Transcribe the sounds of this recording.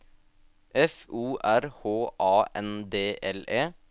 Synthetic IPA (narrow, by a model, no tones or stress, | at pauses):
ʔɛfuːʔæɾhoːʔɑːʔɛnd̪eːʔɛleː